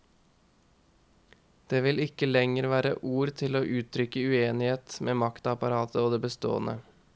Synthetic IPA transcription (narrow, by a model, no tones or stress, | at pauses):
d̪̥eːʋɪlɪkəlɛŋəɾʋæːɾə̰ʔuːɾt̪ʰɪloːʔʉːt̪ʰɾʏkəʉeːnɪheːt̪mʔeːmɑkt̪ɑpɑɾɑːt̪ʰəoːd̪eːbəst̪o̰ːənʔə̰